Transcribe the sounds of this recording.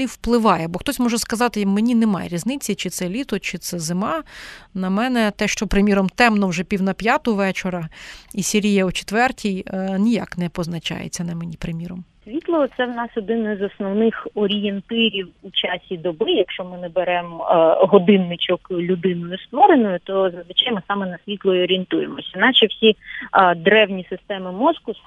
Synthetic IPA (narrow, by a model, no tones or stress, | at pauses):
iwplˠɪʋɑjɛbɔxt̪ɔsʲmɔʒɛskɐzɑt̪ɪmenʲinemɑ̰jḛɾʲiznɪt͡sʲːit͡ʃɪt̪sɛlʲit̪ɔt͡ʃɪt̪sɛzɪmɑnɐmɛnɛt̪ɛʃt͡ʃɔpɾɪmʲiɾɔmt̪ɛmnɔwʒɛpʲiwnɐpʲjɑt̪ʊʋɛt͡ʃeɾɐisʲeɾʲijɐut͡ʃe̥t̪ʋɛrtʲijnʲija̰knɛpɔznɐt͡ʃɑ̰jḛt͡sʲːɐnɐmenʲipɾɪmʲiɾɔmsʲʋʲit̪lˠɔɔt̪sɛwnɑsɔd̪ɪnɪzɔsnɔwnɪxɔɾʲijent̪ɪɾʲiwut͡ʃɑsʲid̪ɔbɪjɐkʃt͡ʃɔmɪnɛbeɾɛmɦɔd̪ɪnːɪt͡ʃɔklʲʊd̪ɪnʊjʊst̪ʋɔɾenʊjʊt̪ɔzɐzʋɪt͡ʃajmɨsɑmɛnɐsʲʋʲit̪lˠɔjiɔɾʲient̪ujemɔsʲɐinɑt͡ʃɛwsʲid̪ɾɛwnʲisɪst̪ɛmɪmɔskʊ